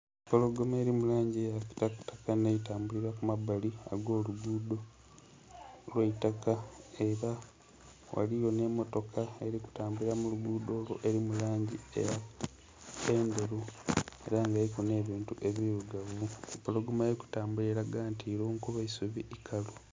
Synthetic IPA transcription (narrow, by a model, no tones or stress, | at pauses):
polo̞ɡomeːɾimulaːɲɟiejaki̥taktakaneitaːmbuliɾakumabaliaɡo̞ːluɡuːdo̞ | lweitakae̞ɾa | wa̰lijo̞ne̞mo̞to̞kʰae̞ɾiku̥taːmbuliɾamuluɡuːd̪o̞ːlwoʔe̞ɾimulaːɲɟiḛja | peːnde̞ɾue̞̰ɾaːŋɡaikune̞ːβiːntuʔe̞βiɾuɡavumpolo̞ɡomaeɾiku̥taːmbuliɾaɡaːntiɾoːŋkuβaisuβiʔikʰalo